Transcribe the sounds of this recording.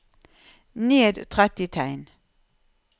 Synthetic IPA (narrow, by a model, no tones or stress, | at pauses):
neːd̪t̪ʰʁɛt̪ɪt̪ʰæɪn